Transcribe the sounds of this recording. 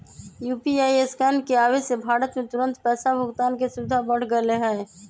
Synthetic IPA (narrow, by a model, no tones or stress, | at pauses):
juːpiaːieskɛːnkeaːʋesebʱaːɾət̪mẽt̪ʊɾə̃nt̪pɛːsabʱʊɡt̪aːnkesʊd̪ʱabəɽ̤ɡəleɦə